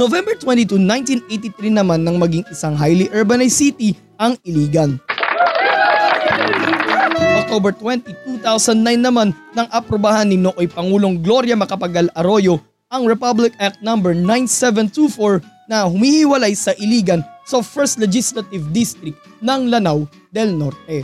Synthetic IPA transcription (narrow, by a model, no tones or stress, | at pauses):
novɛmbɛɹt̪wɛ̃nt̪it̪unãjnt̪inʔejt̪it̪ɾinɐmanːɐŋmɐɡiŋɪsaŋɦajlɪʔɛɹbɐnɐjsit̪i | ʔɐŋɪliːɡɐn | ɐŋʔok̚t̪obɛɹt̪wɛnt̪it̪ut̪awsɐnd̪najnːɐmanːɐŋʔɐpɾobahanːɪnoʔojpɐŋuːlo̞ŋɡlo̞ɾjɐmɐkɐpɐɡɐlɐɾo̞jo̞ | ʔɐŋɹɛpablɪk̚ak̚t̪̚nɐmbɛɹnajnsɛvɛnt̪ufoɹnɐhʊmihɪwɐlajsɐʔɪliːɡɐnsɐfɛɹst̪lɛd͡ʒislɐt̪ɪvd̪ist̪ɾɪk̚t̪nɐŋlɐnaw | d̪ɛlno̞ɾt̪̚ɛ